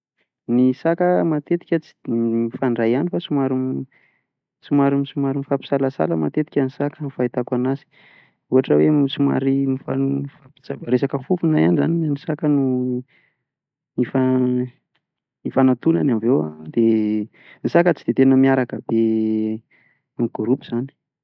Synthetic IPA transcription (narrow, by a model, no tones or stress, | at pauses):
nisakəmat̪et̪i̥kʲət͡si̥mifaɳɖ͡ʐajanifasumaɾum | sumaɾimisumaɾimifapi̥salasa̰ləma̰t̪et̪i̥kʲənisakəmifait̪akwanasi̥ | uɦaʈ͡ʂəwemisuma̰ɾimifafapi̥t͡sabaɾesakəfufunajanizaninanisakənu | ifa | ifanat̪unanamvewa̰d̪̥e | nisakət͡si̥d̪et̪enəmiaɾakəb̥e | nuɡ̥ɾupuz̥ani̥